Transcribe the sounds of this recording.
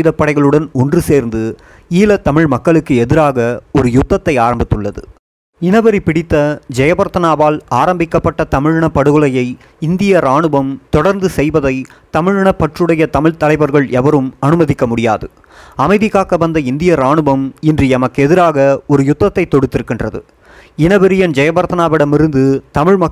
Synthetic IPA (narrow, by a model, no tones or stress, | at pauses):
ɐjðɐpːɐɽɐɪɣɐɭɯɽɐnɔndrɯseːɾnd̪ɯ | iːlɐt̪ɐmɪɻmɐkːɐɭɯkːɯɛðɪɾaːɣɐɔɾɯjʊt̪ːɐt̪ːɐɪaːɾɐmbɪt̪ːɯɭːɐðɯ̰ | ɪnɐʋɐɾipɪɽɪt̪ːɐd͡ʒɛjɐbɐɾt̪ɐnaːʋaːlaːɾɐmbɪkːɐpːɐʈːɐt̪ɐmɪɻɪɳɐpːɐɽɯɣɯlɐjɐɪ | ɪnd̪ɪjɐɾaːɳɯbɐmt̪ɔɽɐɾnd̪ɯsɛjʋɐðɐɪ | t̪ɐmɪɻɪɳɐpːɐʈrɯɽɐjɐt̪ɐmɪɭt̪ɐlɐɪʋɐɾɣɐɭɛʋɐɾɯmɐnɯmɐðɪkːɐmʊɽɪjaːðɯ | ɐmɐɪðɪkːaːkɐʋɐnd̪ɐɪnd̪ɪjɐɾaːɳɯbɐmɪndrɯɛmɐkːɛðɪɾaːɣɐɔɾɯjʊt̪ːɐt̪ːɐɪt̪ːɔɽɯt̪ːɪɾɯkːɪndrɐðɯ̰ | ɪnɐʋɐɾɪjɐnd͡ʒɛjɐbɐɾt̪ɐnaːʋɪɽɐmɪɾɯnd̪ɯt̪ɐmɪɻmɐ